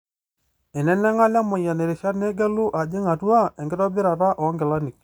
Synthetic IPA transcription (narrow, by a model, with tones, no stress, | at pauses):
ɪ˨nɛ˦nɛ˦ŋa˦la˦mʊ˨ja˨ne˨ɾɪ˨ʃa˦tne˦ɡɛ˦lʊ˦ʔa˨d͡ʒɪ˦ŋa˨tu˦a˦˨ɛ˨ŋɡɪ˦tɔ˦bɪ˦ɾa˨ta˦ʔɔ˨˦ŋɡɪ˨la˦nɪ˨k̚